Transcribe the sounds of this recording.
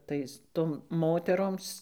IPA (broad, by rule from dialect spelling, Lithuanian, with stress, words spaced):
ˈtɐɪs ˈtoːm moːtʲɛˈroːms